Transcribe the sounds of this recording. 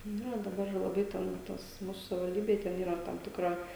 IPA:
ˈnʊ jɛʊ dɐˈbɐr lˠɐˈbɐɪ tʲɛn ˈtoːs ˈmuːsʊ sɐʋʲɪʋɐlʲˈdʲiːbʲeːj tʲɛn ˈiːrɐ ˈtɐm tʲɪkˈrɐ

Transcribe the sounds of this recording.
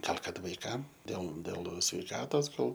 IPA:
ˈɡɐlˠ ˈkɐt ʋɐɪˈkɐm dʲeːlˠ dʲeːlˠ sʲʋʲɛɪˈkɑːtoːs ˈɡɐlˠ

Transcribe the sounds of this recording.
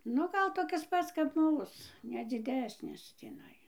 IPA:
ˈnʊ ˈɡɐlˠ toːˈkʲɪs ˈpɐts kɐp ˈmuːs nʲɛ d͡zʲɪˈdʲæːsʲnʲɪs tʲiːˈnɐɪ

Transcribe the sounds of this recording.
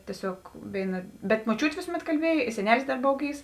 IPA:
tʲiɛˈsʲoːk ˈʋʲeːɪˌnɐ bʲɛt moːˈt͡ʃʲuːtʲeː ˈʋʲeːsʊˌmʲɛt kɐlʲˈbʲiɛj ɪ sʲɛˈnʲæːlʲɪs dɐr ˈboːw ˈɡʲiːws

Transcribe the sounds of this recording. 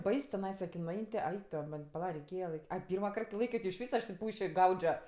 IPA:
ˈbɐɪs tʲɪˈnɐɪsɐ kʲɪ nʊˈɐɪnʲ tʲɪ ˈɐɪk toː ˈmɐnʲ pɐˈlˠɐ rʲɛɪˈkʲeːjɛ lˠɐɪˈkʲiː ˈɐɪ ˈpʲiːrmɐ ˈkɐrt kʲɪ ˈlˠɐɪkʲoː tʲɪ ɪʃʲˈʋʲiːs ɐʃ tʲeː ˈpuːʃʲɪ ˈɡɐʊd͡ʒʲoː

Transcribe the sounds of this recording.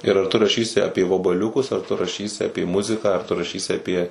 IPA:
ɪr ɐr ˈtʊ rɐˈʃʲiːsʲɪ ˈɑːpʲiɛ ʋɐbɐˈlʲʊkʊs ɐr ˈtʊ rɐˈʃʲiːsʲɪ ˈɑːpʲeː ˈmʊzʲɪkɑː ɐr tʊ rɐˈʃʲiːsʲɪ ɐˈpʲiɛ

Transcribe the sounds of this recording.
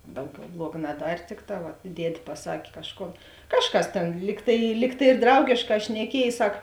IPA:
ˈdɐʊˌɡʲɛʊ ˈblˠuɔɡɐ nɐˈdɐrʲ ˈtʲɪkˌtɑː ʋɐt ˈdʲiɛtʲ pɐˈsɐkʲ ˈkɑːʃˌkoːn ˈkɑːʃˌkɐs ˈtʲeːn ˈlʲiːk tɐɪ ˈlʲiːk tɐɪ ɪr ˈdrɐʊɡʲeːʃˌkɑː ʃʲnʲɛˈkʲiɛj ˈsɐk

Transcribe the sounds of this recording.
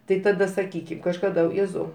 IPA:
ˈtɐɪ tɐˈdɐ sɐˈkʲiːkʲɪm kɐʃkɐˈdɐ ˈjeːzɐʊ

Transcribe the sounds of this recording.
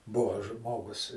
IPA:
ˈbʊʋoː ˈʒmoːɡʊs

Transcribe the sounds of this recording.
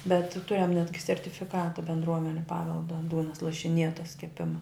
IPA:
bʲɛt ˈtʊrʲɛm ˈnʲæːdʲɡʲɪ sʲɛrʲtʲɪfʲɪˈkɑːtɐ bʲɛndˈruɔmʲɛnʲʊ ˈpɑːʋʲɛlˠdɐ ˈduːnɐs lˠɐʃʲɪˈnʲiɛtɐs kʲɛˈpʲɪmɐ

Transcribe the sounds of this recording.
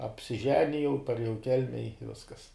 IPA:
ɐpʲsʲɪˈʒʲæːnʲɪjɛʊ pɐrʲeːˈjɛʊ ɪ ˈkʲɛlʲmʲɛ ɪ ˈʋʲɪskɐs

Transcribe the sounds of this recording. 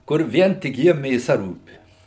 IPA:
kʊr ˈʋʲiɛn tʲɪk ˈjiɛm mʲeːˈsɐ ˈruːpʲɪ

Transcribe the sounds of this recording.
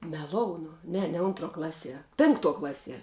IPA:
mʲɛˈlˠoːʊnʊ ˈnʲɛ nʲɛ ˈʊntˌruɔ ˈklˠɑːˌsʲiɛ ˈpʲɪŋkˌtuɔ ˈklˠɑːˌsʲiɛ

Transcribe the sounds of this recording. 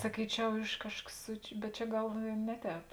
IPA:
sɐˈkʲiːt͡ʃʲɛʊ ˈɪʃ ˈkɑːʃkɐs sʊ bʲɛt ˈt͡ʃʲɛ ˈɡɐlˠ ɪ ˈnʲɛ ˌtʲɛːp

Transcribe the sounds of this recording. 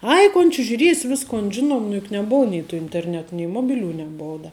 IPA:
ˈɐɪ koːn t͡ʃʲɪ ʒʲʊˈrʲiɛsʲ ˈʋʲɪskoːn ˈʒʲɪnoːm nʊ jʊk nʲɛˈboːʊ nʲɛɪ tʊ ɪnʲtʲɛrʲˈnʲɛt nʲɛɪ ˈmoːbʲɪˌlʲuː nʲɛˈboːʊ dɐ

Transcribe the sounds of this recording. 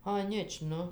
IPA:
ɐˈnʲɪt͡ʃ ˈnʊ

